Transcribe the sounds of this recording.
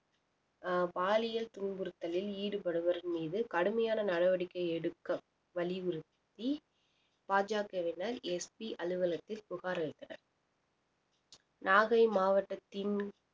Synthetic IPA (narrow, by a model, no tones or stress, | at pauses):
baːlɪjɐlt̪ʊnbɯɾɯt̪ːɐlɪliːɽɯpɐɽɯʋɐɾɪnmiːðɯkɐɽɯmɐjaːnɐnɐɽɐʋɐɽɪkːɐɪɛɽɯkːɐ | ʋɐɭɪʋɪɾɯtt̪ːi | paːd͡ʒaːkɐʋɪnɐɾɛspiʔɐlɯʋɐlɐt̪ːɪlpʊɣaːɾɐɪt̪ːɐnɐ̰ɾ | naːɣɐɪmaːʋɐʈːɐt̪ːɪn